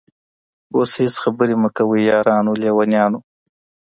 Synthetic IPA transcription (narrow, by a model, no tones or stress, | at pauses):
oshɪsxabəɾeməkawijɑːɾɑːnulewanjɑnu